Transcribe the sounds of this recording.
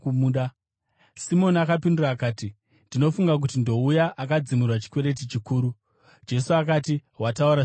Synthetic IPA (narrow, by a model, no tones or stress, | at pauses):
uuɗa | simo̞nakapinduraːkaːti | ndino̞fuŋɡak̬utindo̞ujaʔakad͡zimirwat͡ʃi̥kwe̞ɾe̞t̬it͡ʃikuːɾu | d͡ʒe̞suak̬aːtiɦwatauɾa